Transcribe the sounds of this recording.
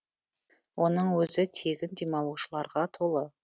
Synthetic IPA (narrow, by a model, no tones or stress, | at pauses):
wʔo̞nəɴwɵzɪt̪ʰe̞ɡʲɪnd̪emɑlˠuʃəlˠɑɾʁɑt̪ʰo̞lˠə